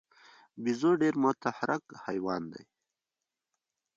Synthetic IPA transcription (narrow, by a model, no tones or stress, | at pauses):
bizoɖeːɾmʊt̪ahɾʔakhajwɑːnd̪a̰j